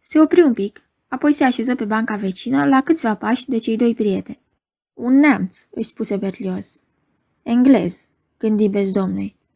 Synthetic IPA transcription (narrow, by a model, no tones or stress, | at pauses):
se̞o̞pɾiumpik | apo̞jse̞aʃe̞zəpe̞baŋkave̞t͡ʃinəlakɨt̪sʲvapaʃʲd̪e̞t͡ʃe̞jd̪o̞jpɾie̞t̪e̞nʲ | unːeamt̪sɨʃʲspuse̞be̞rlio̞s | e̞ŋɡle̞̰z̥ | ɡ̥ɨnd̪ibe̞sd̪o̞mnuj